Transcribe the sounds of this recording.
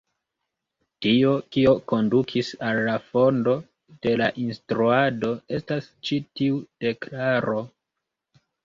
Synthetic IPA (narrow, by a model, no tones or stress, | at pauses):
tio̞kio̞ko̞ndukʰisalːafo̞ndo̞ | d̥e̞laʔinstɾuado̞e̞stast͡ʃitiud̥e̞klaɾo̞